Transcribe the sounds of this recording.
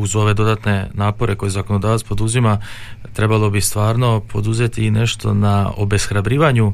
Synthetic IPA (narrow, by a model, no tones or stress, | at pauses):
uzo̞ʋe̞d̪o̞d̪at̪ne̞naːpo̞ɾe̞ko̞jezako̞nod̪aːʋat̪spo̞d̪uzimat̪ɾe̞balˠo̞bist̪ʋaːɾno̞pʰo̞d̪uze̞t̪ine̞ʃt̪o̞̰nao̰be̞sxɾabɾiːʋaɲu